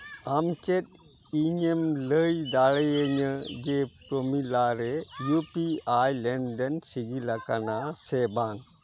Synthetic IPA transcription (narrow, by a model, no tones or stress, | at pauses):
amt͡ʃɛt̪̚ | iɲemləjd̪aɭɛjəɲəd͡ʒepɾomilaɾɛjupiajlɛnd̪ɛnsiɡilakanasɛbaŋ